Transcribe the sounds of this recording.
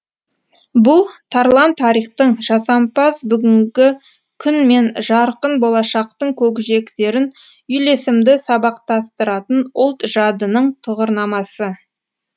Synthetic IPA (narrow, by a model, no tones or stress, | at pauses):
bʊlˠt̪ʰɑɾlˠɑnt̪ʰːɑɾijχt̪əɴʒɑsɑmpɑzbʏɡʲɪŋɡʲɪ | kʲʰʏnme̞nʒɑɾqənbo̞lˠɑʃɑqt̪əɴkʲʰɵkʲɪʒe̞kt̪e̞ɾɪn | ʏjle̞sɪmd̪ɪsɑbɑqt̪ɑst̪əɾɑt̪ənʊlˠt̪ʒ̥ɑd̪ənəɴt̪ʰʊʁəɾnɑmɑsə